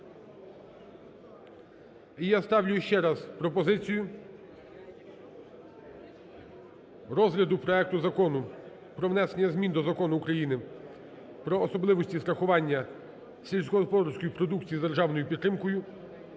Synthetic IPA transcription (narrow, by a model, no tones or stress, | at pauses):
ijast̪ɑwlʲʊjʊʃt͡ʃɛɾɑzpɾɔpɔzɪt͡sʲijʊ | ɾɔzɦlʲɐd̪ʊpɾɔɛk̚t̪ʊzɐkɔnʊ | pɾɔʋnɛsenʲːɐzʲmʲind̪ɔzɐkɔnʊːkɾɐjinɪ | pɾɔːsɔblˠɪʋɔsʲtʲist̪ɾɐxʊʋɑnʲːɐ | sʲilʲsʲkɔɔpɔɾsʲkɔjipɾɔd̪ukt͡sʲijid̪erʒɑwnɔjʊpʲit̪ːɾɪmkɔjʊ